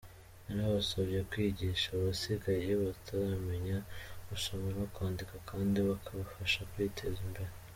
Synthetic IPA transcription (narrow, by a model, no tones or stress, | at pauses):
anaβasoβjekwiːɟiːʃaβasiɡajieβatʰaɾame̞ɲausomanakwaːndikakʰaːndiβakʰaβafaʃakwitʰezimbe̞ɾe